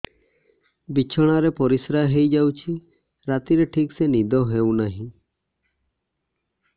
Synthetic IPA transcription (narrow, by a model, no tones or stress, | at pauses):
bit͡ʃʰɔɽ̃aɾepɔɾisɾaɦejd͡ʒawt͡ʃʰi | ɾat̪iɾeʈʰiksenid̪ɔɦewnaɦĩ